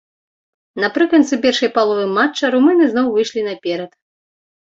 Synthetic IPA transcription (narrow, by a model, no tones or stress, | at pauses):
nɐpɾɨkɐnt̪sɨpʲɛrʂɐjpalˠɔvɨmːat͡ʂːɐɾumɨnɨznɔwvɨjʂlʲinɐpʲɛɾɐt̪